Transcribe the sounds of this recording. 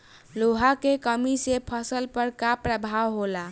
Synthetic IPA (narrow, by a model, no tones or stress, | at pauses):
loɦakekəmisepʰəsəlpəɾkapɾəbʱawɦola